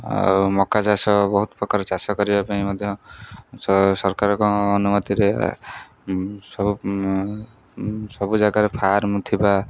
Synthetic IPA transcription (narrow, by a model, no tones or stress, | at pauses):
a̰mɔkat͡ʃasɔbɔɦut̪ɔpɾɔkaɾt͡ʃasɔkɔɾibapaĩmɔd̪ʱjɔssɔɾkaɾɔkɔːnumɔt̪iɾḛ | sɔbu | sɔbud͡ʒaɡaɾepʰaaɾmũt̪ʰiba